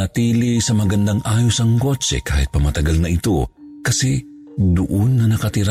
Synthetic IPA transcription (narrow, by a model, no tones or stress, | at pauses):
ɐt̪iːlisɐmɐɡɐnd̪ɐŋaːjosɐŋkot͡ʃɛ̰ka̰ːhɪ̰t̪̚pɐmɐt̪ɐɡalnɐʔɪt̪o̰ | kɐsɛ | d̪ʊʔonːɐnɐkɐt̪ɪɾa